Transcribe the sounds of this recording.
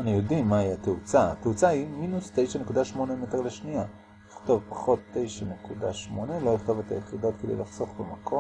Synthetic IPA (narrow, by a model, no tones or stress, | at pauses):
anijodimːaiateut͡saat̪eut͡sahiminuste̞jʃanekudaʃmo̞nemeteʁleʃnia | iχto̞vpḁχo̞tːe̞jʃanekudaʃmo̞nelo̞jiχt̪o̞vet̪a̰jeχido̞tked̪ḛj̰laχso̞χbemakʰo̞